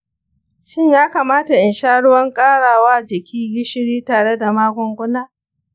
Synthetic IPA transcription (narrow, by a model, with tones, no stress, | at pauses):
ʃɪ˦ɲjaː˦kaː˨maː˦ta˨ʔɪ˨nʃaː˦ɽʊ˦wɐ˦ŋkʼaː˦ɽaː˨waː˦d͡ʒɪ˨kʲʰiː˦ɡɪ˦ʃɪ˦ɽiː˦taː˨ɽe˦da˨maː˦kʷɔ˦ŋɡʷʊ˦naː˦